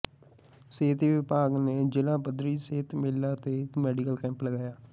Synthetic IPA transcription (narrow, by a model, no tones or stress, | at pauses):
seːt̪iːʋɪpaːɡneːd͡ʒɪlãːbəd̪ɾiːseːt̪meːlːaːt̪eːmɛːɖikəlkɛ̃ːmpləɡaːjaː